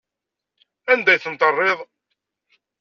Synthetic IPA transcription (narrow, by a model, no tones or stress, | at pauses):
ænd̪æjθənt̪ərˤːeðˤ